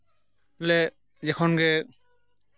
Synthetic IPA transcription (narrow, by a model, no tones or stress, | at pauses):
lɛ | zɛkʰɔnɡɛ